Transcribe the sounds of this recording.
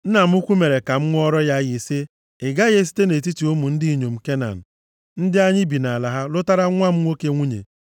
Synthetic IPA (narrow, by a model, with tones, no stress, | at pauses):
n̩˦na˨m̩˦ʊ˦kʷu˦me˨ɾe˨ka˨m̩˦ŋʷ˦ɔ˦ɾɔ˦ja˦ɣi˨se˦ | ɪ˨ɡa˦ɣe˦s̬i̥˦te˦ne˨t̬i˦ti˨u˦mu˨n̩˦di˦˨ɲo˨m̩˨ke˦na̰˨n̩˨ | n̩˦dɪ˦a˦ɲɪ˦bi˨na˨la˨ɦa˦lʊ˦ta˦ɾa˦ŋʷa˦m̩˦ŋʷo˦ke˦ŋʷu˦ɲḛ˨